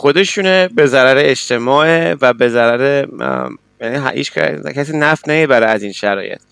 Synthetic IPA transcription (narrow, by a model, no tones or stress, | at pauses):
xo̞d̪e̞ʃunebe̞zæɾæɾeet͡ʃt̪ʰe̞mɒːʔevæbe̞zæɾæɾe | jæniɦæ̰hḭt͡ʃʰæ̰cʲʰæsiːnæfnæmibæɾeæzinʃæɾɒ̰ːje̞̰t̪̚ʰ